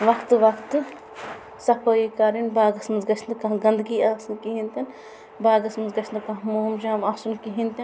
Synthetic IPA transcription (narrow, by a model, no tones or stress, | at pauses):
ʋɐkʰt̪ɨʋɐkt̪ɨ | sɐpʰɐjikaːɾinbaːɡɐsmɐnzɡɐt͡ʃʰnd̪ɨkɐ̃ɦɡɐnd̪ɡiːaːsunkiɦĩnt̪ɐn | baːɡɐsmɐnzɡɐt͡ʃʰnd̪ɨkɐɦmoːmd͡ʒɐɐmaːsunkiɦĩnt̪ɐn